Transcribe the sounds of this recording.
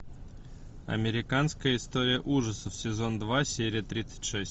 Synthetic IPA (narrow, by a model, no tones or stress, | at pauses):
ɐ̰mʲɪɾʲɪkanskəjəɪst̪o̞ɾʲɪjəʔuʐəsəfsʲɪzo̞nd̪vasʲeɾʲɪjət̪ɾʲit̪sə̥tʲʂɛsʲ